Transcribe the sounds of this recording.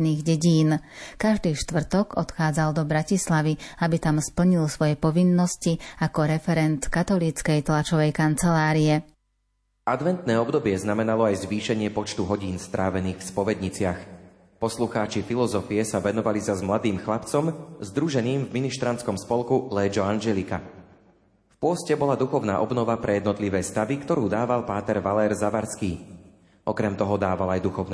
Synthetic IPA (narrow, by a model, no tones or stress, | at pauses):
niːɣɟɛɟiːnkaʒd̪iːʃt̪ʋr̩t̪ɔɡɔt̪xaːd͡zald̪ɔbɾacislaʋiabit̪amspl̩ɲilsʋɔjɛpɔʋinːɔsciakɔɾɛfɛɾɛnt̪kat̪ɔliːt͡skɛjt̪lat͡ʃɔʋɛjkant͡sɛlaːɾiɛ | ʔad̪ʋɛnt̪nɛːɔbd̪ɔbɪɛznamɛnalɔajzʋiːʃɛɲɪɛpɔt͡ʃt̪uɦɔɟiːnst̪ɾʔaːʋɛniːxfspɔʋɛd̪ɲit͡sɪax | pɔsluxaːt͡ʃifilɔzɔfiɛsaʋɛnɔʋalizazmlad̪iːmxlapt͡sɔmzd̪ɾuʒɛniːmvminiʃt̪ɾant͡skɔmspɔlkulɛːd͡ʒɔanʒɛlika | fpʊɔscɛbɔlad̪uxɔʊna̰ːʔɔbnɔʋapɾɛjɛd̪nɔt̪liʋɛːst̪aʋikt̪ɔɾuːd̪aːʋalpaːt̪ɛɾʋalɛːɾzaʋaɾskiː | ʔɔkɾɛmt̪ɔɦɔd̪aːʋalajd̪uxɔʊn